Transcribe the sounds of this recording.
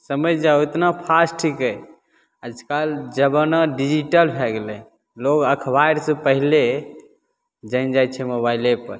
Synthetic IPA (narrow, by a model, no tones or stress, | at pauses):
səməjd͡ʒauet̪napʰasʈikəj | əd͡ʒʱkald͡ʒəbənəɖid͡ʒiʈəlbʱɛɡelə | loɡəkʰbajɾsə̃pəɦile | d͡ʒənd͡ʒajt͡ʃʰɛmobailepəɾ